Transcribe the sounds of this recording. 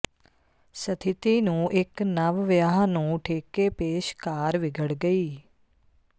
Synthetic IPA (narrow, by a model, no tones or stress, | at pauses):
sət̪ʰɪt̪iːnũːʔɪknəʋʋjaːɦnũːʈʰeːkeːpeːʃkaːɾʋɪɡəɽɡəiː